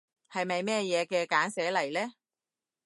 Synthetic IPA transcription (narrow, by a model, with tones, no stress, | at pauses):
hɐ˨jmɐ˨jmɛː˥jɛː˨˧kɛː˧kaː˨˥nsɛː˨˥lɐ˨˩jlɛː˥